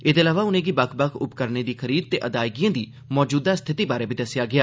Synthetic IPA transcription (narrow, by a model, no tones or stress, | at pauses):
eːd̪eːəlaːʋaːʊnẽːɡibəkʰbəkʰʊpkəɾneːd̪iːkʰəɾiːd̪̚t̪eːʔəd̪aːɪɡijãːd̪iː | mɔːd͡ʒuːd̪aːst̪ʰɪt̪iːbaːɾeːbiːd̪əsɪjaːɡɪaː